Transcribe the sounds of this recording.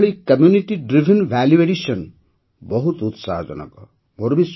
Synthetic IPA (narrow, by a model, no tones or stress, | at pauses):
ɭikɐmjuniʈiɖɾibʱinbʱæljueʈisɐn | bɔɦut̪ut̪saɦd͡zɔ̰nʌ̰kɔ | moɾbis